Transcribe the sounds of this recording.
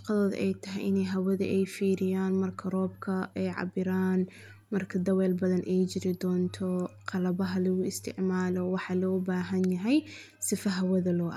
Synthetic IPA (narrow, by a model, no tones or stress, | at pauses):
ʃqɑðɔːð̰ʔɛjt̪ʰɐɦɛjʔɪnɛjɦɐwɐðɐ̰ʔɛjfiːɾɪjaːnmɐrkʰɐrɔːbkʰɐɛjʕɑ̰bɪɾaːn | mɐrkʰɐd̪ɐwɛːlbɐðɐnʔɛjt͡ʃɪɾɪd̪ɔːnt̪ʰɔqɑlɐβɐɦɐlɐɣʊɪst̪ʰɪ̰ʕmaːlɔwɑħɑlɔːbaːɦɐnjɐɦɛj | sɪfɐɦɐwɐðɐlɔːʔ